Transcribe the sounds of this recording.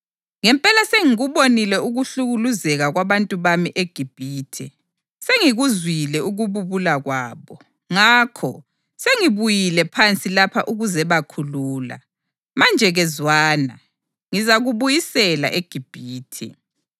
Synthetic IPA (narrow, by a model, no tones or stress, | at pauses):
ŋɛmpʼɛlaseŋiɣuβonilɛuɣuɬuɣuluzɛɣaɣwaβantʼuβamiʔeɡ̥ʱib̥ʱiːtʰɛ̰ | seŋiɣuzwilɛuɣuβuβulaɣwaːβɔ | ŋaːkʰɔ̰ | seŋiβujilɛpʰant͡sʼilapʰaʔuɣuzɛβakʰuluːla̰ | mand͡ʒʱɛɣɛzwaːna | ŋizaɣuβujisɛla̰ʔeɡ̥ʱib̥ʱiːtʰḭ